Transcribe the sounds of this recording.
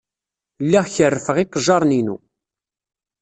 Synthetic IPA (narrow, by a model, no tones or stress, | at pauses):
lːiʁçərːəfəʁiqːəʒɑɾˤninṵ